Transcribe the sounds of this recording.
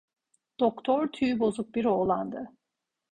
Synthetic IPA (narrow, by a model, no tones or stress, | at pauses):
d̪̥okt̪ʰɔɾt̪ʰyjbo̞zuk̚biɾolˠand̪ɯ